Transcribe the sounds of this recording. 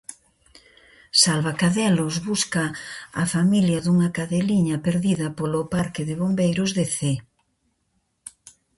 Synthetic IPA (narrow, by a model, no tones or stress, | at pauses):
salβakaðɛlʊzβuskɐːfamiljɐðuŋɐkaðeliɲɐpeɾðiðɐpolʊpaɾkɪðɪβombejɾʊzðeθe